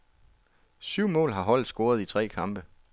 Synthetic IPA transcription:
syʊ̰mɔ̰̽ːlɦɑ̈ɦɒ̽l̰d̥ˠsɡ̥o̝ːɐð̞̩ˠit͡sʰʁɛ̰ːkʰɑ̈mb̥ə

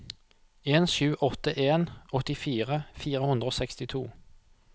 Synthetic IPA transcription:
eːnʃʉːʔɔt̪əʔeːnɔt̪ɪfiːʁəfiːʁəhʉnd̪ʁoːsɛkst̪ɪt̪ʰuː

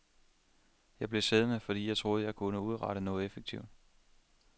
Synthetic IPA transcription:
jɑ̈ɪble̝seð̞ˠnəfɒ̽d̥ḭːjɑ̈ɪt͡sʰʁo̝ːðˠjɑ̈ɪkʰunəuð̞ˠʁɑ̈ɾənɔ̽ːð̩ˠefeɡ̥̚t͡sʰiʊ̰d̥

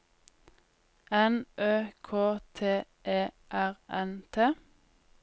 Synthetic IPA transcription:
ɛnʔøːkʰoːt̪ʰeː | ʔeː | ʔæʁɛnt̪ʰeː

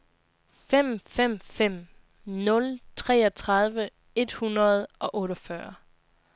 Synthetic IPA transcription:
fem̰fem̰fem̰ | nɔ̽lt͡sʰʁɛːɒt͡sʰʁɑ̈ðˠʋə | e̝d̥hunɐð̞̩ˠɒ̽ʔɔ̽ːɾɒfɶɐ

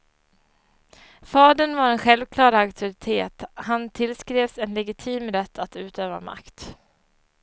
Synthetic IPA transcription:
fɑːd̪əɳvaɾɛnɧɛlvkʰlɑːɾaakt̪ʰʊɾɪt̪ʰeːt̪hant̪ʰɪlskɾeːvsɛnlɛɡɪt̪ʰiːmɾɛt̪ʰːat̪ʉ̟ːt̪ʰøːva̰ma̰kt̪

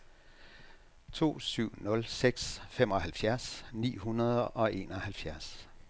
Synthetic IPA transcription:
t͡sʰo̝̰ːsyʊ̰nɔ̽lseɡ̥sfem̰ɒ̽ɦælfjæɐsnḭːɦunɐð̞ˠəʔɒ̽ʔe̝̰ːnɒ̽hælfjæɐs

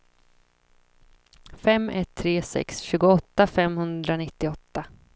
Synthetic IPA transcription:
fɛmːɛt̪ʰːɾeːsɛ̰ksɕʉːɡʊɔt̪ːafɛmhɵnd̪ɾanɪt̪ːɪɔt̪ːa

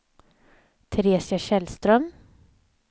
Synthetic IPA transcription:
t̪ʰɾeːsjaʃɛlst̪ɾœm

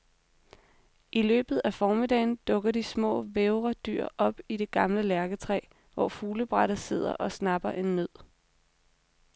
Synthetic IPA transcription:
ʔilø̰ːb̥ð̞̩ˠæfɒːmid̥ɛ̰ːɪnd̥ɔ̽ɡ̥ɐd̥ismɔ̰̽ːʋeʊʁɐd̥y̰ɐ̰ʔɒ̽b̥iɾe̝ɡ̥ɑ̈mləlæɐɡ̥ət͡sʰʁɛ̰ː | ʋɒ̰ːfuːləb̥ʁɑɾ̥ðˠse̝ð̞̰ˠɐ̰ʔɒ̽snɑ̈b̥ɐʔe̝nːøð̰ˠ

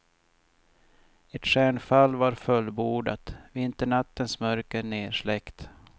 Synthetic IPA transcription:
ɛt̪ɧæːɳfalːvaɾfœlːbuːɖat̪vɪnt̪əɳat̪ːənsmœɾkəneːʂɭɛkt̪

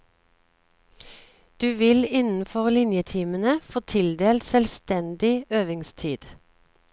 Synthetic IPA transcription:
d̪̥ʉːʋɪlɪnn̩fɔʁlɪnjət̪ʰiːmənəfoːt̪ʰɪld̪eːlt̪sɛlst̪ɛnd̪ɪøːʋɪŋst̪ʰiːd̪̥

